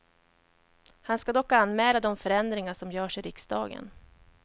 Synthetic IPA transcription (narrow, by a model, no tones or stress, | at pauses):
hanskad̪ɔkːanːmɛːlad̪ɔmfœɾɛnd̪ɾɪŋaʂɔmjœːʂɪɾɪksd̪ɑ̰ːɡə̰n